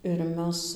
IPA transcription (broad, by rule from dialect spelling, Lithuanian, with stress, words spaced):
ɪr ˈmʲɛs